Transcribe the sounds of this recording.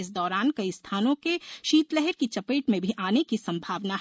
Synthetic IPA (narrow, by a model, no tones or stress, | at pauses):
ɪs̬d̪ɔːɾaːnkɐist̪ʰaːnõkeʃiːt̪lɛɦɛɾkit͡ʃɐpeːʈmẽbʱiʔaːnekisɐ̃mbʱaːʋnaɦ